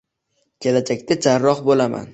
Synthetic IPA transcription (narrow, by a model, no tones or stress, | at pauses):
kʲʰe̞lad͡ʒakʲt̪ad͡ʒaɾːɒχbolama̰n